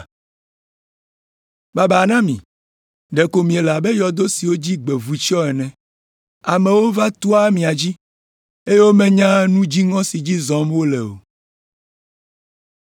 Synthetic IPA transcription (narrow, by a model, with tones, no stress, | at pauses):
ba˦ba˨nã˦mḭ̃˨ | ɖɛ˨ko˨mĩ˨e˨la˨bɛ˦jɔ˨d̪o˦si˨wo˦d͡ʑi˦ɡ͡bɛ˨vu˨t͡ʃɔ˦ɛ˨nɛ̃˨ | a˨mɛ̃˨wo˦va˦t̪u˦a˦mĩ˨a˨d͡ʑi˦ | e˦je˦wo˦mɛ̃˦ɲã˦nũ˦d͡ʑi˦ŋɔ̃˦si˨d͡ʑi˦zɔ̃˦mwo˦lɛ˨o̰˨